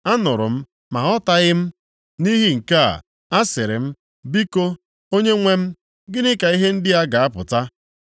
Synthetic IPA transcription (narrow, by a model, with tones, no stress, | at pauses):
a˦nʊ˨ɾʊ̰˨m̩˦ | ma˨ɔ˦ta˦ɣɪ˦m̩˦ | ni˦ɦi˦ŋ̩˨ka˦a̰˨ | a˦sɪ˨ɾɪ˨m̩˦ | bi˦ko˦ | o˦ɲe˦ŋʷe˦m̩˦ | ɡɪ˦nɪ˦ka˨i˦ɦe˦n̩˦dɪ˦a˦ɡa˨a˦pʊ̰˨ta˦